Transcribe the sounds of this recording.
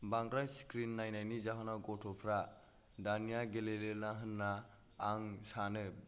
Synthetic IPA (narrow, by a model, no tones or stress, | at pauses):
baŋɡɾajskɾinːajnajnizaɦanaɡɔtʰɔpʰɾa | danijaɡelelelnaɦɯnːaː | ŋsanɯ